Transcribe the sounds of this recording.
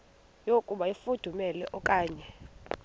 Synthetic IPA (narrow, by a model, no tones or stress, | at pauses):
jokʼuɓaifud̥ʱumɛlɛʔɔkʼaːɲɛ